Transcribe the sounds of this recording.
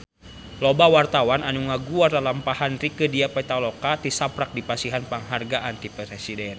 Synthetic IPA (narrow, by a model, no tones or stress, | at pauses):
lɔbawart̪awananuŋaɡuardalampahanrikədiapɛt̪alɔkat̪isapɾak̚dipasiɦanpaŋɦarɡaʔant̪ipɛɾɛsidɛn